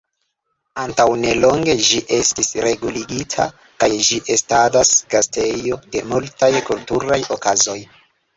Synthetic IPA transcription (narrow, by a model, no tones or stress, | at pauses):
antawne̞lo̞ŋɡe̞ʒiʔe̞stisɾe̞ɡuliɡitʰa̰ | kajʒiʔe̞stadasɡ̥aste̞jo̞de̞multajkultuɾajo̞kazo̞j